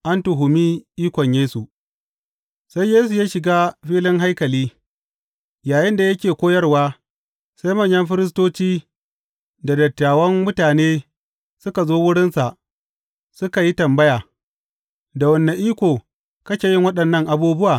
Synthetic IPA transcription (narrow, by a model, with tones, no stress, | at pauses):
ʔa˦ntʊ˨ɦʊ˨miː˦ʔiː˦kʷɔ˨ɲjeː˦su˨ | sa˦jjeː˦su˨jaː˦ʃɪ˨ɡaː˦ɸiː˦lɪ˦ŋɦa˦jkɐ˨liː˦ | jaː˨jɪ˦nda˨jɐ˦kʲeː˨kʷoː˦jɐ˦rwaː˦ | sa˦jmɐ˦˨ɲjɐ˦mɸɪ˦ɾɪ˦s̬toː˦t͡ʃiː˦ | da˨dɐ˨tːaː˨wɐ˦ŋmʊ˦taː˨neː˦ | sʊ˦ka˨zoː˦wʊ˦ɽɪ˦nsa˨ʔ | sʊ˦ka˨ji˦tɐ˨mbɐ˦jaː˨ | da˨wɐ˨nːe˨ʔiː˦kʷoː˨ | kɐ˦kʲeː˨jɪ˦ŋwɐ˦ɗɐ˨nːɐ˦˨ŋʔa˨buː˦bʊ˦waː˨